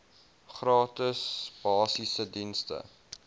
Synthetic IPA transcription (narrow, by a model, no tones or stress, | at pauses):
χrɑːtəsb̥ɑːsisədinstə̰